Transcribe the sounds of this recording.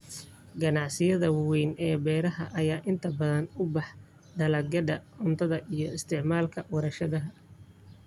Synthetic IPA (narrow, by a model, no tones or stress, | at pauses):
ɡɐnɑʕsɪjɐðɐwwɛjnɛːbɛːɾɐɦɐʔɐjaːʔɪnt̪ʰɐbɐðɐnʊbɑħ | d̪ɐlɐɡɐɖɐʊnt̪ʰɐðɐʔijɞɪst̪ʰɪʕmaːlkʰɐwɐɾɐʃɐðɐɦɐ